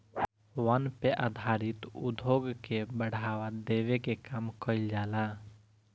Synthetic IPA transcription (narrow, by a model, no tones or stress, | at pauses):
wanpeʔad̪ʱaɾit̪ṵd̪ʱoɡkebəɽ̤aʋad̪eʋekekamkəild͡ʒala